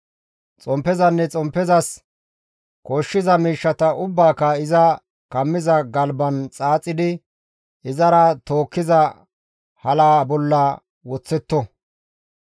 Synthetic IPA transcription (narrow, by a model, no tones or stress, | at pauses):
t͡sʼɔmpːɛzɐnːɛt͡sʼɔmpːɛzɐs | kɔʃːɪzɐmiːʃːɐt̪ɐʔʊbːaːkːɐɪzɐ | kɐmːɪzɐɡɐlbɐnt͡sʼaːt͡sʼːɪd̪ɪ | ɪzɐɾɐt̪oːkːɪzɐ | hɐlaːbɔlːɐ | wɔt͡sːɛt̪ːɔ